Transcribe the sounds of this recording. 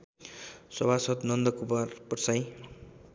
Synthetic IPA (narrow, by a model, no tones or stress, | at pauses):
sʌbʱasʌt̪nʌnd̪ʌkubarpʌʈsaj